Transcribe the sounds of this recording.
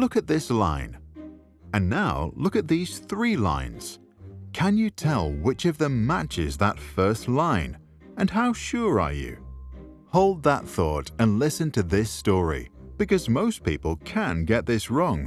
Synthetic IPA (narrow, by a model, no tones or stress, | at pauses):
lʊkɨt̪̚ðɪslã̰ɪ̃n | ɨ̃nːaʊlʊkɨt̪̚ðiz̥θɹilã̰ɪ̃nz̥ | kʰɨ̃njɨtʰɛlˠwɪt͡ʃʌvðə̃mːæt͡ʃɪ̰zðə̰tfɜ˞stˡlãɪ̃n | ɨ̃nɦaʊʃʊɹə̰˞jʉ̰ | hoʊlˠd̪̚ðət̪̚θɔɾɨ̃nlɪsɨ̃ntʰɨðɪstɔɹḭb̥ɨkʌzmoʊspipl̩ˠkʰɨ̃nɡɛt̪̚ðɪsɹɔ̃ŋ